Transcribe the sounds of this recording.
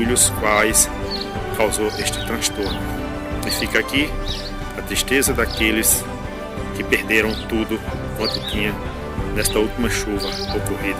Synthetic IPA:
ulʊskwajs | kawzoʔeʃt͡ʃɪ̥t̪ɾɐ̃st̪oɾnʊ | ɪfikaki | ɐt̪ɾiʃt̪ezɐd̪akelɪs | kɪpeɾd̪eɾɐ̃w̃t̪ud̪ʊkwɐ̃nt̪ʊt̪ĩɲɐ̃ | nɛst̪ɐuwt̪imɐʃuvɐokoɦid̪ɐ

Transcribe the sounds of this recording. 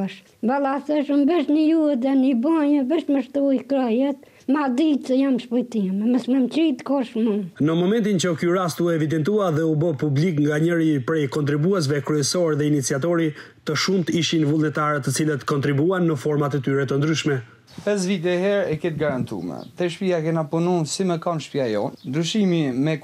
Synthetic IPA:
ʃ | balˠasəʃumbəʃnijut̪ɛnibɔɲəbəʃt̪məʃt̪uikɾɔjɛt̪ | mad̪it̪səjamʃpɔjt̪imɛməsməmt͡ʃɾit̪kɔʃmunəmɔmɛnt̪int͡ɕəkyɾast̪uɛvid̪ɛnt̪uaðɛubəpublikŋɡaɲəɾipɾɛjkɔnt̪ɾibuɛs̬vɛkɾyɛsɔɾðɛinit͡siat̪̬ɔɾi | t̪əʃumt̪əiʃinvulˠnɛt̪aɾɛt̪ːət͡silət̪kɔnt̪ɾibuanːəfɔɾmat̪ɛt̪yɾɛt̪ənd̪ɾyʃmɛ | pɛs̬vit̪̬ɛhɛɾɛkɛt̪̚ɡaɾant̪ṵmɛ̰t̪ɛʃpiakɛnapununsiməkanʃpjajɔ̰nnd̪ɾyʃimimɛ

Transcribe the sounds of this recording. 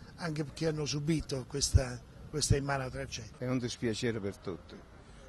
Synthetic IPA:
aŋkepeɾkːeanːosubiːt̪okwest̪a | kwest̪aimaːnat̪ɾat͡ʃɛɛund̪ispjat͡ʃɛːɾpeɾt̪ut̪ːɪ

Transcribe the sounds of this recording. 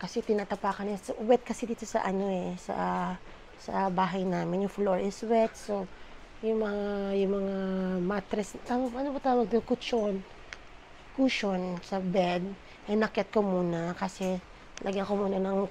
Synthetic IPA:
kɐsɛt̪ɪnaːt̪ɐpaːkɐnɛsɐʔwɛt̪̚kɐsɛd̪iːt̪o̞sɐ̰ʔɐno̞ɛsɐ̰ | sɐbaːɦɐjnaːmɪnjʊŋfloɹɪswɛt̪̚so | jʊŋmɐŋajʊŋmɐŋamat̪ɾɛst̪aːwɐɡ̚pʔɐnopɐt̪aːwɐɡ̚t̪ʊŋkʊt͡ʃon | kuʃonsɐbɛd̪̚ | ɐjnɐkjat̪̚komuːnɐkɐsɛ | lʔɐɡkomuːnɐnɐŋ

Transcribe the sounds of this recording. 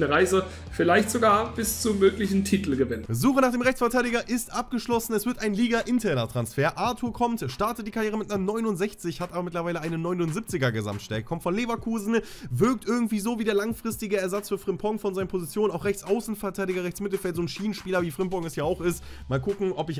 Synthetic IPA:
nəʁaɪzə | fɪlaɪçtz̥oɡaːɐb̥ɪst͡sumøːklɪçn̩tʰiːtl̩ɡəvɪnzuːχənaːχd̥eːmʁɛçt͡sfɐtʰaɪɾɪɡɐʔɪstʔap̚ɡ̥əʃlɔsn̩ɛsv̥ɪɐtaɪnliːɡɐʔɪntʰɛɐnɐtʁ̥ansfeːɐʔaɐtʰuːɐkʰɔmtʃtaɐtət̚diːkʰaʁjeːʁ̞əmɪt̚nanɔʏnʊntz̥ɛçt͡sɪçhatʔaːbɐmɪtlɐvaɪləʔaɪnənɔʏnʊnzip̚t͡sɪɡɐɡəza̰mtʃtɛ̰lk̚kʰɔmtfɔnleːvɐkʰuːzn̩ | vɪɐk̚tʔɪɐɡŋ̩tv̥iːzoːviːdeɐlaŋfʁ̥ɪstɪɡəɛɐzat͡sfyːɐfʁ̥ɪmpʰɔŋfɔnzaɪnənpʰozit͡sjoːnənaʊxʁɛçt͡sʔaʊsn̩fɐɐtʰaɪɾɪɡɐʁɛçt͡smɪtl̩fɛltz̥oːnʃiːən̩ʃpiːlɐviːfʁ̥ɪmpɔŋɛsjaːaʊxɪstmaːlkʰʊkŋ̩ɔpɪç

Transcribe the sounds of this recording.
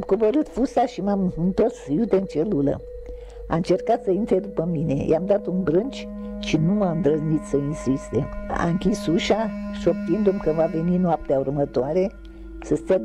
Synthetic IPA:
mkoboɾɨt̪fusaʃimamɨnt̪osjut̪eɨnt͡ʃelulə̰ | a̰ɨnt͡ʃe̞rkat̪səint̪ɾed̪upəmine̞̰jamd̪at̪unbɾɨnt͡ʃʲ | ʃinumaɨnd̪ɾəznit̪səinsist̪ea̰ɨŋkʲisuʃaʃok̚t̪ind̪umkəvaveninoap̚t̪eaurmət̪oaɾe | səst̪ə

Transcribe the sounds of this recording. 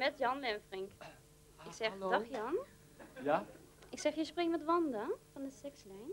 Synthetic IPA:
mɛtjɑnlɛnfrɪŋk | ɪksɛdɔxjɑn | ʔɪksɛχjəsprɪŋmɛtʋɔndafɔndəsɛkslɛjn

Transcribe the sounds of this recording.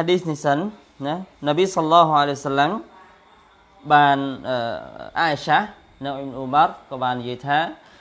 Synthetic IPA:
haɗiːsnisən | nanabijsɑɑlːɑːɦualejwasalːam | ɓaːnʔəːʔa̰ːʔiʃah | nɨŋʔibnʔumarˤkɔːɓaːnːijiəjt̪ʰaː

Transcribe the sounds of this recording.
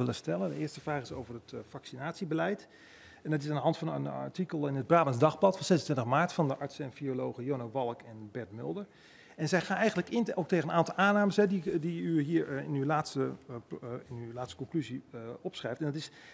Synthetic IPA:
ɪləstɛləndəɪːɹstəvraːχɪsowvəɹətfɑksinaːtsibəlɛjt | ɛndɑtɪs̬andəɦɑntfɑnə̰n̰ɹtikəlˠɪnəd̚braːbənzdɑχplɑtfɑnsɛsəntʋɪntəχmaːɹtfɑndəʔɑɹtsɛnfiolowχəjonoʋɑlˠkɛnbɛɹtmɪ̰lˠdəɹ | ɛnzɛjχaːnɛjχən̩ləkɪnowk̚tejənənaːntɔlˠaːnaːməsɦɛdidiyɦiːɹɪnywlaːtstə | ɪnylaːtstə̥kɔŋklyziɔpsχrɛjftɛndɑtɪs

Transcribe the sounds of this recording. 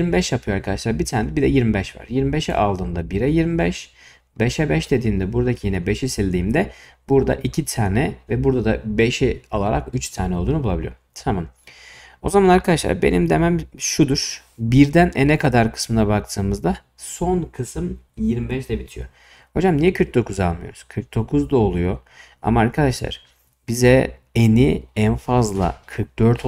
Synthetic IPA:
jiɾmibɛʃjapʰɯjoaɾkʰad̪aʃlˠaɾbit̪ʰaːnɛd̪ɛbid̪ɛjiɾmibɛʃva̰ɾ̥jiɾmibɛʃɛ̰ʔalˠd̪ɯːnd̪abiɾɛjiɾmibɛʃ | bɛʃɛbɛʃd̪ed̪iːmd̪ɛbuɾd̪acʰijinɛbe̞ʃisilʲd̪iːmd̪ɛb̥uɾd̪a̰ʔicʰit̪ʰaːnɛvɛbuɾd̪ad̪abe̞ʃiolˠaɾa̰kyt͡ʃt̪ʰaːnɛolˠd̪uːnubulˠabilʲḭjo̰t̪ʰamɯn | o̞̰zamanaɾkʰad̪aʃlˠa̰ɾbe̞̰nḭmd̪emæmʃud̪uɾ̥ | biɾd̪ænɛnɛkʰad̪aɾkʰɯ̥smɯnabak̚t̪ʰɯːmɯzd̪a | so̞nkʰɯsɯm | jiɾmibɛʃd̪ɛbit̪ʰijo̰ | ho̞d͡ʒamnijɛkʰɯɾk̚d̪o̞kʰuza̰lˠmɯjo̞̰ɾuz̥kʰɯɾk̚d̪o̞kʰuzd̪ao̞lˠujo̞ | a̰maːɾkʰad̪aʃlˠa̰ɾ̥ | bizɛeniɛnfazlˠa̰kʰɯɾk̚d̪̥øɾt̪ʰ

